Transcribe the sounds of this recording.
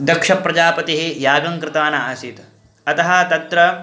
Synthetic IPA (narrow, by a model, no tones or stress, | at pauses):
d̪ɐkʂɐpːɾɐd͡ʒaːpɐt̪iɦejaːɡɐŋkɾɪt̪aːnɐaːsit̪ɐ | ɐt̪ɐɦɐt̪ɐt̪ɾɐ